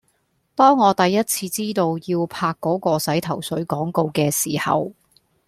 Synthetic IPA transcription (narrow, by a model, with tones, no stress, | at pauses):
t̪ɔː˥ŋːɔː˨˧t̪ɐ˨jːɐ˥t̚t͡sʰiː˧t͡siː˥t̪o˧wjiː˧wpʰaː˧kːɔː˨˥kɔː˧sɐ˨˥jt̪ʰɐ˨˩wsɵ˨˥ɥkɔː˨˥ŋko˧wkɛː˧siː˨˩hɐ̰˨w